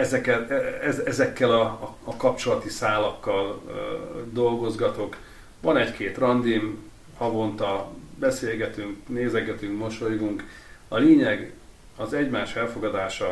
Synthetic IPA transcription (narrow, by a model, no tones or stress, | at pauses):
ɛzɛkɛt̪ɛɛɛzɛkːɛlɒɒkɒpt͡ʃo̞lɒt̪isaːlɒkːɒl | d̪o̞lɡo̞zɡɒt̪o̞k | ʋɒnɛckʰeːt̪rɒnd̪im | hɒvo̞nt̪ɒbɛseːlɡɛt̪yŋkneːzɛɡɛt̪yŋkmo̞ʃo̞jɡuŋk | ɒleːɲɛɡ | ɒzɛɟmaːʃɛlfo̞ɡɒd̪aːʃɒ